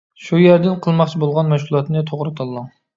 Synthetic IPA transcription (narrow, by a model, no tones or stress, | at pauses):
ʃujeɾd̪ɪnqʰəlˠmɑχt͡ʃʰibolˠʁɑnmɛʃkʲulˠɑt̪nɨt̪ʰoʁɾɨt̪ʰɑlˠːɑ